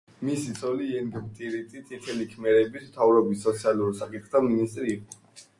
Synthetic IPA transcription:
misit̪sʰɔliɛŋɡmt̪ʼiɾit̪ʼit̪ʰit̪ʰɛlikʰmɛɾɛbismt̪ʰavɾɔbisːɔt̪sʰialuɾsakʼit̪ʰχt̪ʰaminist̪ʼɾiːqʼɔ

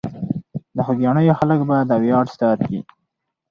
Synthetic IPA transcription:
d̪əxud̪jɑnəjoxaləkbad̪əawjɑʈst̪ɑat̪kḭ

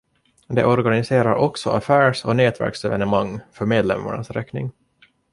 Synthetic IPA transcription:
d̪ɛ̰ʔɔɾɡanɪseːɾaɾɔksɔafæːʂɔneːt̪væ̰ɾksɛvɛnəmaŋːfœɾmeːd̪lɛ̰mːa̰ɳasɾɛknɪ̰ŋ

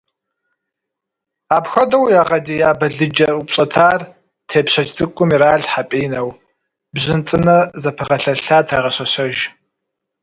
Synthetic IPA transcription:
aːpxʷɐdɐwjaːʁɐdiːjaːbɐɮɨd͡ʒɐrupɕʼɐtʰaːr | tʰeːpɕɐt͡ʃt͡sʼɨkʷʼʊmiɾaːɮħapʼiːnɐw | bʑɪnt͡sʼɨnɐzɐpʰɨʁɐɬɐɬaːtʰraːʁɐɕɐɕɐʒ

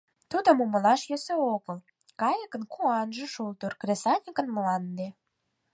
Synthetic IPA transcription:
t̪ud̪ə̆muməlɑʃjøsøoɣəl | kɑjəkə̆nkuɑnʒə̆ʃult̪urkresɑnʲikə̆nmlɑnd̪e

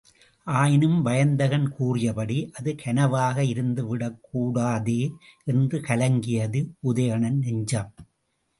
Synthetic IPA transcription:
ʔaːjɪnɯmʋɐjɐnd̪ɐɣɐnkuːrɪjɐpɐɽiʔɐðɯkʰɐnɐʋaːɣɐɪɾɯnd̪ɯʋɪɽɐkːuːɽaːðeːʔɛndrɯkɐlɐŋɡɪjɐðɯʔʊðɐjɐɳɐnnɛɲd͡ʒaːm

